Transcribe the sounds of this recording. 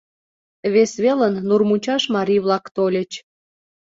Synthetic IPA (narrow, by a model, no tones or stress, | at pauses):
βesβelənːurmut͡ɕɑʃmɑɾʲijβlˠɑkt̪olʲə̆t͡ɕ